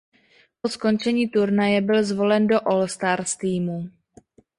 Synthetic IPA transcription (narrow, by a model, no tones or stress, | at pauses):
po̞sko̞nt͡ʃɛɲiːt̪uɾnajɛbɪlzvo̞lɛndo̞ʔolst̪aɾst̪iːmu